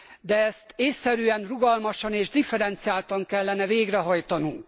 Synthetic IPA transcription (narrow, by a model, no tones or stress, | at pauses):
d̪ɛɛst̪eːsːɛɾyɛnruɡɒlmɒʃɒneːʒd̪ifɛɾɛnt̪sijaːlt̪ɒŋkɛlːɛnɛveːɡrɛɦɒjt̪ɒnuŋk